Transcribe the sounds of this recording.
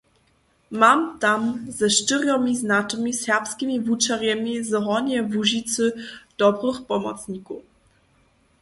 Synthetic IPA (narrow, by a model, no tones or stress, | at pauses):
mamt̪amzɛʂtɨɾjɔmʲiznatmʲisʲɛpskʲimʲivut͡ʂaɾjɛmʲizɦɔɲɛvuʑit̪sɨd̪̥ɔbɾɨxpɔmɔ̰t̪sɲiku